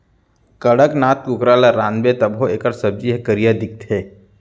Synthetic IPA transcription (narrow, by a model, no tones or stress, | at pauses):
kəɽəknaːt̪̚kukɾaːlaɾãːnbet̪əbɦoeːkəɾsəb̚d͡ʒiɦekəɾijad̪ɪk̚t̪ʰeː